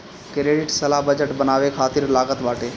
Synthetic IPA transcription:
kɾeːɖɪʈsəlabəd͡ʒəʈbənaːʋekʰaːt̪iɾlaːɡət̪ʋaːʈeː

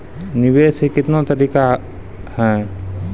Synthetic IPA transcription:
nɪʋeːsɦekɪt̪nõt̪ɐɾiːka | hɛ̃ː

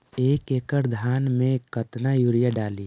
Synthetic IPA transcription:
eːkeːkəɾd̪ʱaːnmẽkət̪najuːɾjaɖaːli

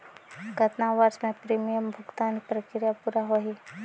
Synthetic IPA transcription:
ɡət̪naʋəɾsmẽpɾiːmijəmbʱʊɡt̪aːnpɾəkɾɪjapuːɾaɦoɦi

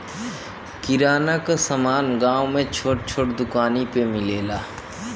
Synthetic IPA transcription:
kɪɾaːnakasəmaːnɡaːwmẽt͡ʃʰoʈ̚t͡ʃʰoːʈd̪ʊkaːnipemɪleːlaː

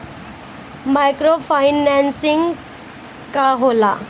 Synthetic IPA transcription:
majkɾofajnansiŋɡ | kaɦola

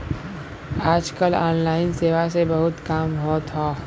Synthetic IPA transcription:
aːd͡ʒkəlaːnlaːɪnseːʋasebɐɦʊt̪kaːmbʱɔːt̪ɦoː

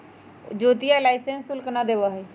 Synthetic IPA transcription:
d͡ʒoːt̪ijalajsensulknad̪eʋaɦe

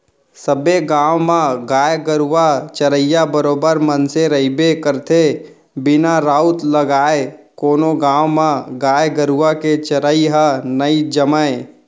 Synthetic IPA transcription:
səbeɡãːwmãɡaːjɡəɾuʋat͡ʃəɾəjabəɾoːbəɾmənseɾəibekəɾt̪ʰe | bɪnaɾaːʊt̪ləɡaːekoːnoɡãːwmãɡaːjɡəɾuʋaket͡ʃəɾəiɦənəid͡ʒəməe

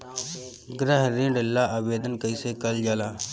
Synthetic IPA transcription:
ɡɾəɦɾĩːɖɪlːaːʔaːʋeːd̪ənkəiːseːkəld͡ʒaːlaː

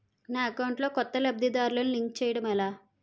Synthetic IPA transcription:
naːɐkɐwɳʈlo̞ːkɔt̪ːɐlɐb̚d̪id̪aːɾulɐnuliŋk̚t͡ʃɛːjɐɽɐmɐlaː

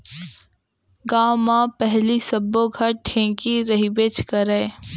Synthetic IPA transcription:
ɡaːmãːpɛɦlisɐboɡʱɐɾ̚ʈʰẽːkiɾɐɦibeːt͡ʃkɐɾeː

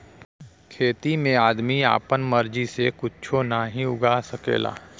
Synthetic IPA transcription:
kʰeːt̪imẽaːd̪mia̰ːpənməɾd͡ʒisekʊt͡ʃʰonaɦĩʊɡʱaːsəkḛːla̰ː

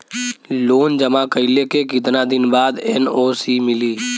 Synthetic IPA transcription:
loːnd͡ʒəmakəɪlekekɪt̪nad̪ɪnbaːd̪ɛnoːsiːmɪliː

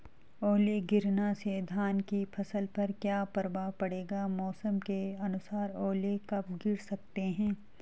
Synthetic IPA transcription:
ɔːleɡɪɾnased̪ʱaːnkipʰɐsəlpɐɾkjaːpɐɾʋapɐɽeːɡamɔːsəmkeɐnʊsaːɾɔːlekɐp̚ɡɪɽsɐk̚t̪eɦɛ̃ː

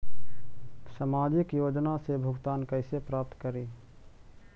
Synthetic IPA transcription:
samaːd͡ʒɪkjoːd͡ʒnasebʱʊɡt̪aːnkəɪsepɾaːp̚t̪kəɾiː

